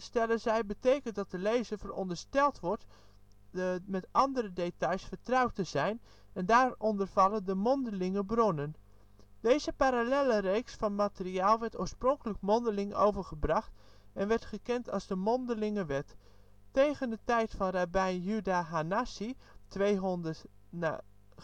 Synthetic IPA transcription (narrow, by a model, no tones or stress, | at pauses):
stɛlənzɛjbətejkənt̚dɑt̚dəlejzəvərɔ̰ndəɹstɛlˠtʋɔɹt | mɛtʔɑndəɾədetɑjsfəɹtrɑwtəzɛjn | ɛndaːrɔndərv̥ɑlˠəndəmɔndəlɪŋəbronən | dejzəpaɾalɛlərejksfɑnmatəriaːlˠʋɛɹto̰ːɹsprɔŋkələkmɔndəlɪŋʔowvəɹχəbrɑχt | ɛnʋɛɹtχəkɛntɑlˠzdəmɔndəlɪŋəʋɛtː | ejɣəndətɛjtfɑnrabɛjnjydaɦanasitʋejɦndə